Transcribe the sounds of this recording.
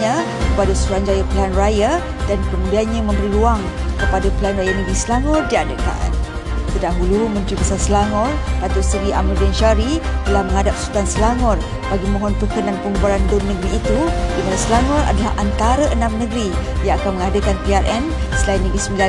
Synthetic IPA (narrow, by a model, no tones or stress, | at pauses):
ɲa | kəpadasəsuand͡ʒajapəlanraja | dankəmudianɲamə̃mbəɾiluaŋ | kəpadapəlanrajanəɡɾisəlaŋɔrdiadəka̰n | t̪ədaɦulumə̃nt̪ɾibəsarsəlaŋɔrdat̪ʊsəɾiʔa̰mludanʃaɾit̪əlahməŋadap̚su̥t̪ansəlaŋɔr | b̥aɡimɔ̃ɦɔnpərkənanpəŋəbaɾandʊnːəɡɾiːt̪udimanasəlaŋɔra̰dala̰ɦant̪aɾəʔənamnəɡɾijaakanməŋadəkanpiarʔɛn | səlainːəɡɾisəmbila